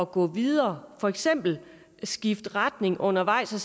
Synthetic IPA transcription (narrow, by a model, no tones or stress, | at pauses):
ɒ̽ɡ̥ɔ̰̽ːʋiðˠɐːfɒ̽eɡ̥sem̰b̥l̩ | sɡ̥ifd̥ʁad̥ne̝ŋʔɔ̽n̰ɐʋɑ̈ɪ̰sɒs